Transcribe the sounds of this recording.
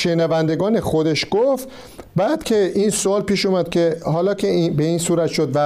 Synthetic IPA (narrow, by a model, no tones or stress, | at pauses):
ʃenævænd̪e̞ɡɒːnexod̪e̞ʃɡ̥oft̪ | bæːd̪̥kʲʰe̞ʔinsoɒːlpiːʃumæd̪̥̚kʲʰe̞hɒːlɒːkʰebe̞iːnsuːɾæt̪ʃod̪væ